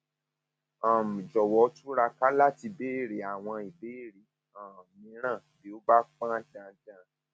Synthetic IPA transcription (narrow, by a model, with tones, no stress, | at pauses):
ã˨mũ˨d͡ʒɔ˨wɔ˨˧˦tu˦ɾa˧ka˦la˦˨ti˧be˦˨ɾe˨˦a˨w̃ɔ̃˧i˨be˨˦˨ɾe˨˦ | ã˨mĩ˧˦ɾ̃ã˦˨bi˨˦o˦ba˦k͡pã˦dã˧dã˦